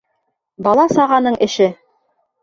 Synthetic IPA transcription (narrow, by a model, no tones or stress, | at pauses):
bɑlˠɑsɑʁɑnɤɴʔɘ̆ʃɘ